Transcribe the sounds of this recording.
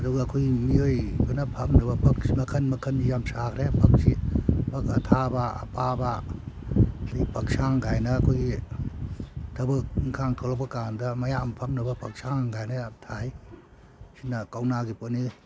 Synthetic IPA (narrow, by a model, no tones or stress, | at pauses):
ɐduɡakʰojmiojbɯnɐpʰɐmnɯbɐpʰɐk̚simɐkʰɐnmɐkʰɐnijamsakʰɾepʰɐk̚sipakatʰaba̰ːpʰaba | sipʰɐk̚saŋɡajnɐːkʰojɡi | tʰɐbɯk̚ŋkʰaŋkʰawlak̚pɐkandɐmɐjampʰɐmnɯbɐpʰɐk̚saŋɡajnɐatʰaj | sinɐkawnaɡiponi